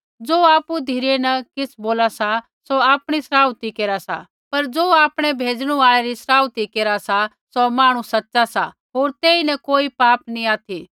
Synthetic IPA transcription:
d͡zoːaːpud̪ʱiɾenɐkɪsboːlasa | soaːpɽ̃isɾaːʊt̪ikeːɾasa̰ | pɐɾd͡zoːaːpɽ̃ɛbʱeːd͡zɽ̃ũaːɭɛɾisɾaːʊt̪ikeːɾasa | sɔmaːɽ̃ũsɐtːʃasa̰ | ɦoːɾt̪eːinɛkoːipaːpniaːt̪ʰi

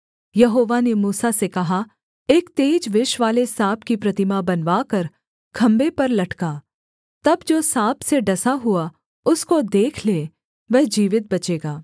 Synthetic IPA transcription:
jɐɦoːʋanemuːsasekɐɦa | eːkt̪eːd͡ʒʋɪʃʋaːlesaːbkipɾɐt̪ɪmabɐnʋaːkɐɾ | kʰɐ̃mbepɐɾlɐʈkaː | t̪ɐbd͡ʒoːsaːbseɖɐsaɦʊa | ʊskod̪eːkʰleː | ʋɛɦd͡ʒiːʋɪt̪̚bɐt͡ʃeːɡaː

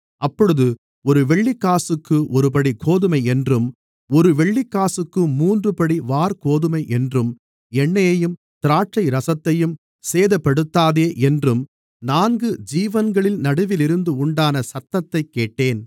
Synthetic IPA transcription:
ʔɐpːɔɽɯðɯ | ɔɾɯʋɛɭːikːaːsɯkːɯʔɔɾɯpɐɽikʰoːðɯmɐɪɛndrɯm | ɔɾɯʋɛɭːikːaːsɯkːɯmuːndrɯpɐɽiʋaːɾkoːðɯmɐɪʔɛndrɯm | ɛɳːɐjɐjɯm | t̪ɪɾaːʈt͡ʃɐɪɾɐsɐt̪ːɐjɯm | seːðɐpːɐɽɯt̪ːaːðeːʔɛndrɯm | naːnɡɯd͡ʒiːʋɐnɡɐɭɪlnɐɽɯʋɪlɪɾɯnd̪ɯʊɳɖaːnɐsɐt̪ːɐt̪ːɐɪkːeːʈːeːn

